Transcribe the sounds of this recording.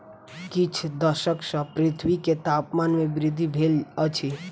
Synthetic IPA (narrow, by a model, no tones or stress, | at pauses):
kit͡ʃʰd̪əʃəksə̃pɾɪt̪ʰwiket̪apmanmẽbɾɪd̪ʱːibʱelət͡ʃʰi